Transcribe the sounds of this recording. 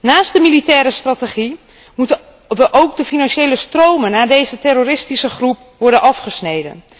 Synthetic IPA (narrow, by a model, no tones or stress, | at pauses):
naːstdəmilitɛːɾəstrateχi | mut | ʋəʔowk̚dəfinanʃejləstrowmənaːdejzətɛɾorɪstisəxrup̚ | ʋɔɹrdənʔɑfχəsnejdə̰n